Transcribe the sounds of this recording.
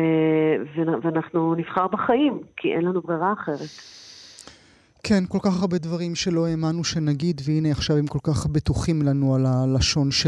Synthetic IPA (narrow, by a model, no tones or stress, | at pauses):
veveanaχnuniv̥χaʁbaχajimkʰiʔɛ̰nlanubʁiʁaːχe̞ʁet̪ | kʰenko̞lkaχaʁbe̞dvaʁimʃe̞lo̞emanuʃe̞naɡid̪veineaχʃavemko̞lkaχbet̪uχimlanualalaʃo̞nʃ